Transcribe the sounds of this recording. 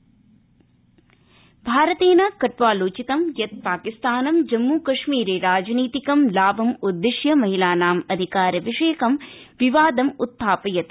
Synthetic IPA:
bʱaːɾɐt̪eːnakɐʈʋaːloːt͡ʃit̪ɐmjɐt̪̚paːkist̪aːnɐmd͡ʒɐmːuːkɐʂmiːɾeːɾaːd͡ʒniːt̪ikɐmlaːʋɐmud̪ːiʂjɐmɐɦilaːnaːmɐd̪ʱikaːɾɐʋiʂeːkɐm | ʋiʋaːd̪ɐmut̪ʰːaːpɐjɐt̪

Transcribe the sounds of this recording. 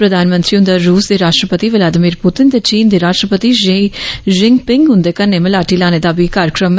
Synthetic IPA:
pɾɐd̪aːnmə̃nt̪ɾiʊ̃nd̪əɾːuːsd̪eɾaːʃʈɾəpət̪iʋɪlaːd̪ɪmiːɾpʊt̪ɪnd̪et͡ʃiːnd̪eɾaːʃʈɾəpət̪iʒʒɪŋɡpɪ̃ŋɡɦʊ̃nd̪ekɐnemɪ̃laːʈilaːned̪abikaːɾəkɾəmː

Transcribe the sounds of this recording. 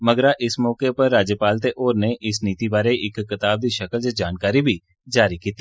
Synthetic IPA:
məɡɾaʔɪsmɔːkepɐɾːaːd͡ʒjəpaːlt̪eʔoːɾneʔɪsniːt̪ibaːɾeʔɪkːɪt̪aːb̚d̪iʃəkəld͡ʒad͡ʒaːnkaːɾibʱi | d͡ʒaːɾikiːt̪iː

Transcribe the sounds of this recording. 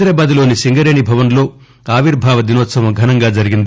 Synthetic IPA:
d̪ɾaːbaːd̪ilo̞ːnisiŋɡɐɾe̞ːɳibʱɐʋɐnlo̞ː | aːʋiɾbʱaːʋɐd̪inoːt̪sɐʋɐmɡʱɐnɐŋɡaːd͡ʒɐɾiɡind̪i

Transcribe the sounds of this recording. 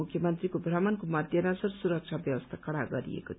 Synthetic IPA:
ukʰjʌmʌnt̪rikobʱramʌnkomʌd̪ʱjʌnasʌrsuɾʌk̚t͡ʃʰabjʌwʌst̪ʰakʌɽaɡʌɾḭḛkot̪ʰ

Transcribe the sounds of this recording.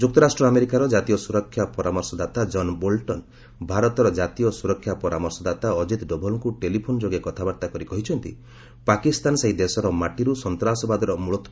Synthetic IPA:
d͡ʒuk̚t̪ɔɾasʈɾɔameɾikaɾɔd͡ʒat̪ijɔsuɾɔkʰːjapɔɾamɔɾsɔd̪at̪ad͡ʒɔnbolʈɔn | bʱaɾɔt̪ɔɾɔd͡ʒat̪ijɔsuɾɔkʰːjapɔɾamɔɾsɔd̪at̪aɔd͡ʒit̪ɖɔbʱɔlŋkuʈelipʰonɔd͡ʒoɡekɔt̪ʰabaɾt̪akɔɾikɔɦit͡ʃʰɔnt̪ḭ | pakist̪anseɦid̪esɔɾɔmaʈiɾusɔnt̪ɾasɔbad̪ɔɾɔmuɭɔt̪ʰ

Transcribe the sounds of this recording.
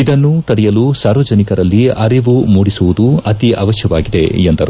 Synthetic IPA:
id̪ɐnːut̪ɐɽɛjɐlusaːɾʋɐd͡ʒɐnikɐɾɐlːiɐɾiʋumuːɽisuʋud̪uɐt̪iʔɐːʋɐʃjɐʋaːɡid̪e̞̰end̪ɐɾu

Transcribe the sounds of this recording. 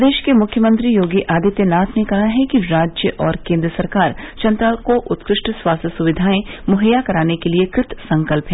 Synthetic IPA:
d̪eːʃkemʊkʰjəmə̃nt̪ɾijoːɡiʔaːd̪it̪jənaːt̪ʰnekɐɦaɦɛkiɾaːd͡ʒjəʔɔːɾkẽːnd̪ɾəsɐɾkaːɾt͡ʃɐ̃nt̪ɾaːlkoʔʊt̪kɾɪʃʈswaːst̪ʰəsʊʋɪd̪ʱaːẽmʊɦəjːakɐɾaːnekeliekɾɪt̪sɐ̃ŋkəlpɦɛ

